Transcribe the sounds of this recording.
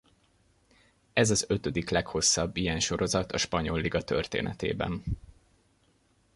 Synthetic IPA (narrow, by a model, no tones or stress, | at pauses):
ɛzɒzø̞t̪ød̪iklɛkho̞sːɒbːijɛnʃo̞ɾo̞zɒt̪ɒʃpɒɲo̞lːiɡɒt̪ø̰rt̪ḛːnɛ̰t̪ḛːbɛ̰n